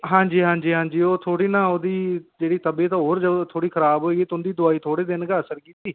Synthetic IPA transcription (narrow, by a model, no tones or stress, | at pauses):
ɦãːɲd͡ʒiːɦãːɲd͡ʒiːɦãːɲd͡ʒiːoːt̪ʰoːɽiːnãːoːd̪iːd͡ʒeːɽiːt̪əbeːt̪ãːɦoːɾd͡ʒət̪ʰoːɽiːkʰəɾaːbɦoːeːɡiːt̪ːʊnd̪iːd̪ʊaːiːt̪ʰoːɽeːd̪ɪnɡaːəsəɾkiːt̪iː